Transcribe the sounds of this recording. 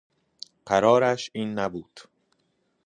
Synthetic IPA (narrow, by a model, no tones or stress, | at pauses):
ɢ̥æɾɒːɾæʃiːnːæbuːd̪̥